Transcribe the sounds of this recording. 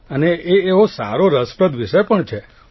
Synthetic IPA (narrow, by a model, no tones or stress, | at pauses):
əneʔeːʋosa̰ɾoɾəspɾəd̪ʋiʃəjpəɳt͡ʃʰe